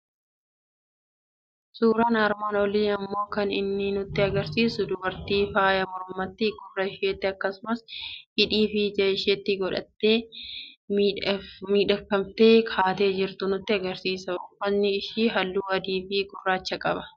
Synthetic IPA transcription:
suːɾaːnaːɾmaːnɔliːɐmːo̞ːkɐnɪnːɪnʊt̪ːɪɐɡɐɾsiːsʊd̪ʊbɐɾt̪iːfaːjɐmɔɾmɐt̪ːɪɡʊrːɐɪʃeːt̪ːɪɐkːɐsʊmɐsɪᶑiːfid͡ʒɐɪʃɛt̪ːɪɡɔᶑɐ̰t̪ːe̞ː | miːᶑɐfɐmt̪eːkʰaːt̪e̞ːd͡ʒɪɾt̪ʊnʊt̪ːɪɐɡɐɾsiːsɐʊfɐnːɪːʃiːɦɐlːuːɐd̪iːfiːɡʊrːaːt͡ʃːɐkʼɐbɐ̥

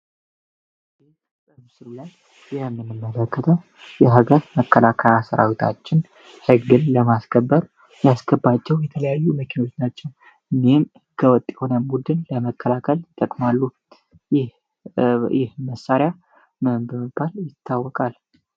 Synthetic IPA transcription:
e | t̪ʼɨβsɨɾulajː | ɛmːɨnːɨmːələkːət̪ʰəw | jɛɦaɡəɾməkːəlakʰəjasəɾa̰wit̪ʰa̰t͡ʃːɪn | hɨɡɨnləmasɡəbːəɾ | jasɡəbːat͡ʃːɛwjɛt̪ʰələjajːuməkʰino̞t͡ʃnat͡ʃːɛw | ɨnehmhɨɡəwɔt̪ʼːjɛho̞nəbud̪ɨnləməkːəlakʰəljɪt̪ʼːəkʼmalːu | jɪh | jɪhməsːaɾɪja | bəməbːaljɪt̪ʰːawːɔkʼal

